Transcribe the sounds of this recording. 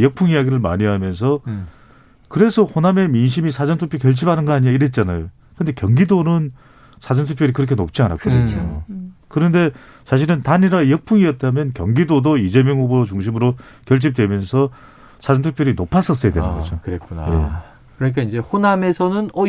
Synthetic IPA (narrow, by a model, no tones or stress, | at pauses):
jʌk̚pʰuŋijaɡiɾɯɭma̰ɲiɦamjʌns̬ʰʌ | kɯɾe̞sʰʌhoname̞minɕ̬ʰimisʰad͡ʑʌntʰupʰjokjʌɭt͡ɕʰibanɯnɡʌaɲiaiɾet̚t͡ɕ͈anajo | kɯnde̞kjʌŋɡidonɯn | sʰad͡ʑʌntʰukpʰjoɾikɯɾʌkʰe̞nop̚t͡ɕ͈iana̰k͈ʌɾet͡ɕ͈okɯɾʌnde̞ | sʰaɕʰiɾɯntaniɾajʌk̚pʰuŋiʌt̚t͈amjʌnkjʌŋɡidodoid͡ʑemjʌŋɦuboɾot͡ɕuŋɕ̬ʰimɯɾo | kjʌɭt͡ɕʰip̚t͈we̞mjʌnsʰʌ | sʰad͡ʑʌntʰukpʰjoɾinopʰas͈ʌs͈ʌjadwenɯnɡʌd͡ʑokɯɾek͈una̰jḛ | kɯɾʌɲik͈aind͡ʑe̞honame̞sʰʌnɯnʌ